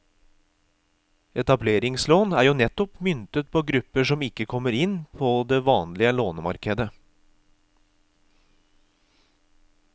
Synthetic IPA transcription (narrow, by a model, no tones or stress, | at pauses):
ɛt̪ɑbleːɾɪŋsloːnæːɾjuːnɛt̪ɔpmʏnt̪ət̪̚pʰoːɡɾʉpːəʂɔmɪkːəkʰɔmːəɾɪnpʰod̪eʋɑːnlɪəloːnəmɑ̰ɾkəd̪ə